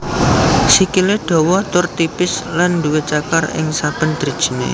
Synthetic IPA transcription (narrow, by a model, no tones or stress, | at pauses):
sikiled̥o̤wɔt̪ʊrt̪ipɪslanduwet͡ʃakarɪ̰ŋsab̥ə̤nd̪̥ɾid̥ʒ̥ə̤nḛ